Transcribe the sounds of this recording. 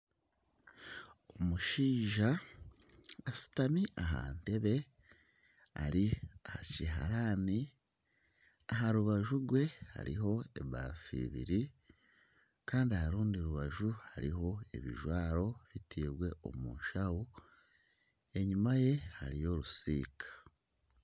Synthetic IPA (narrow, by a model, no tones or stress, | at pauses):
omuʃiːʒa | asi̥tamiʔaɦa̰nte̞βe̞ | a̰ɾiahaciɦa̰ɾaːni | aɦaɾuβaʒuɾɡwe̞ha̰ɾḭɦo̞e̞βa̰fḭβḭɾi | kaːndiahaɾuːndiɾuβaʒuhaɾḭɦo̞e̞̰βḭʒwaːɾo̞ɾitʰiɾɡwe̞o̞̰mṵːʃahu | e̞ɲumaje̞haɾijo̞ɾusḭːkʰḁ